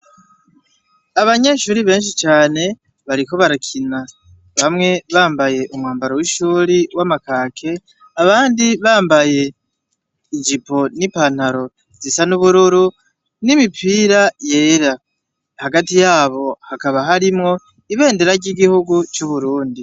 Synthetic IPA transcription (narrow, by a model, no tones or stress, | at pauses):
aβaɲe̞ʃuːɾiβe̞ːnʃ̬it͡ʃaːne̞ | βaɾiko̞βaɾakʰina | βamŋe̞βaːmbaje̞ʔumŋaːmbaɾowiʃuːɾiwamakaːkʰe̞ | aβaːndiβaːmbaje̞ | id͡ʒipo̞nipan̥haɾo̞ | z̥isanuβuɾuɾu | nimipʰiːɾajeːɾa | haɡatijaːβo̞hakaβaɦaɾimŋo̞ | iβe̞ːndeɾaɾɟiɡihuɡut͡ʃuβuɾuːndi